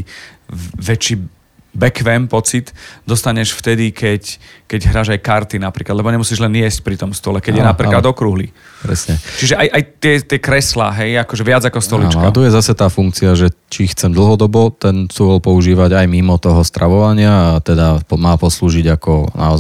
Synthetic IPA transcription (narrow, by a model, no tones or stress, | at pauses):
ʋɛt͡ʃi | bɛkʋɛːmpɔt͡sit̪d̪ɔst̪aɲɛʃft̪ɛd̪ikɛckɛɟɦɾaːʒajkaɾt̪inapɾiːklad̪lɛbɔɲɛmusiːʒlɛnɪɛsc̚pɾit̪ɔmst̪ɔlɛkɛɟjɛnapɾiklad̪ɔkɾuɦli | pɾɛ̰sɲɛt͡ʃiʒɛʔajʔajt̪ːɪɛt̪ɪɛkɾɛslaːɦɛjakɔʒɛʋɪad͡zakɔst̪ɔlḭt͡ʃkatt̪ɔjɛzasɛt̪aːfuŋkt͡siaʒɛt͡ʃixt͡sɛmd̪l̩ɦɔd̪ɔbɔt̪ɛnsuɔlpɔuʒiːʋaɟajmimɔt̪ɔɦɔst̪ɾʔaʋɔʋaɲɪaat̪ɛd̪apɔmaːpɔsluːʒiɟakɔnʔa̰ɔ